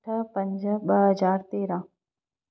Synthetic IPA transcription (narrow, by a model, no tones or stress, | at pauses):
ʈʰəpəɲd͡ʒəbəɦəd͡ʒaːɾt̪eːɾãː